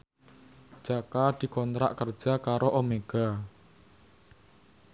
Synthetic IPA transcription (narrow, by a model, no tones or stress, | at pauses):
d̥ʒ̥akad̪̥i̤kɔnt̪ɾa̰ʔkər̥ʒ̥a̤kaɾoʔomeɡ̥a̤